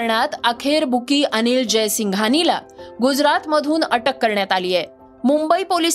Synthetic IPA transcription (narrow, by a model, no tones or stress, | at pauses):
ɾɳat̪əkʰeɾbʱukiːʔəniːld͡ʑesiŋɡʱanila̰ɡud͡zɾat̪məd̪ʱuːnəʈəkːəɾɳjat̪alijɛ | mumbəipoli